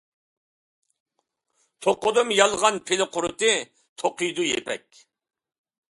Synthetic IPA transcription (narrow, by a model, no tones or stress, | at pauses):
t̪ʰoqːʊd̪ɨmjɑlˠʁɑnpʰɪlɪqʰʊɾɨt̪ɨ | t̪ʰoqijd̪ujḛpʰɛ̰kʲ